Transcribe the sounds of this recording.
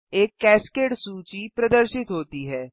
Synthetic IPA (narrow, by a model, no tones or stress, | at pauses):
eːkːɛːskeːɖsuːt͡ʃipɾɐd̪əɾʃɪt̪ɦoːt̪iɦɛː